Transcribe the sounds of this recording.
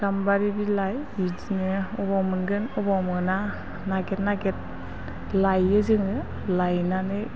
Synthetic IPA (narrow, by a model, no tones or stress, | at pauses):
dambaɾibilajid͡ʒnɯɔbamɯnɡɯnɔbamɯna | naɡɛt̚naɡɛt̚ | lajɯzɯŋɯ | lajnanɯ